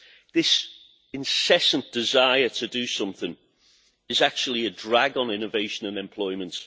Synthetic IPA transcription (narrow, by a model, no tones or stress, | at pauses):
ðɪs | ɪ̃nsɛsə̃nd̥ɪzaɪətʰədəsʊ̃mθɪ̃ŋ | ɪzak̚t͡ʃuəl̩ˠiədɹaɡə̃nɪ̃nəveɪʃə̃nə̃nɛ̃mpʰl̥ɔɪmə̃nt